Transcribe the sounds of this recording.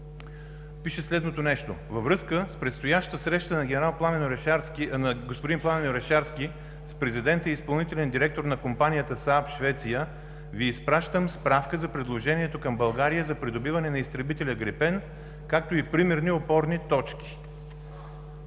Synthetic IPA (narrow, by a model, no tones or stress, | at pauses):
piʃɛslɛd̪not̪onɛʃt̪ovɐvɾɤskəspɾɛt̪st̪ojaʃt̪əsɾɛʃt̪ənɐɡʲɛɛɾalˠplˠamɛɾnɐɡospod̪implˠamɛnoɾɛʃaɾskʲi | spɾɛzid̪ɛnt̪əispɐlˠnit̪ɛlʲɛnd̪iɾɛk̚t̪oɾnɐkompanijət̪əsapʃvɛt̪sijə | viːspɾaʃt̪əmspɾafkəzɐpɾɛd̪lˠoʒɛniɛt̪okɐmbɐlˠɡaɾijəzɐpɾid̪obivɐnɛnɐist̪ɾɛbit̪ɛlʲəɡɾɛpɛn | kak̚t̪oipɾimɛɾniopɔɾnit̪ɔt͡ʃkʲi̥